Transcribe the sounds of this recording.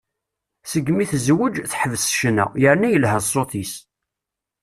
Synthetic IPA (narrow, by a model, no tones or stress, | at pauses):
səɡːmiθzwəd͡ʒθħəvəsʃənæ̰jəɾnæjəlhæsˤːoθis